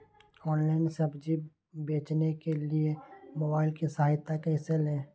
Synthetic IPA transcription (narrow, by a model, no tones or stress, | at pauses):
ɔːnlaːɪnsɐbd͡ʒi | beːt͡ʃnekeliemoːbaːɪlkisɐɦaːɪt̪ːakaɦɪselɦɛ̃ː